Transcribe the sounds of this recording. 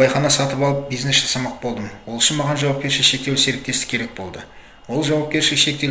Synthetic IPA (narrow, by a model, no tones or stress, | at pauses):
ɑjχɑnɑsɑt̪əpɑlˠəp̚bijznesʒɑsɑmɑq̚bo̞lˠd̪əmwo̞lˠɪʃɪnmɑʁɑnʒɑwɑp̚kʲe̞ɾʃɪʃe̞k̚t̪ewse̞ɾɪk̚t̪e̞st̪ɪ̥kʲʰe̞ɾe̞k̚bo̞lˠd̪ə | wo̞lˠʒɑwɑp̚kʲe̞ɾʃɪɪʃe̞k̚t̪e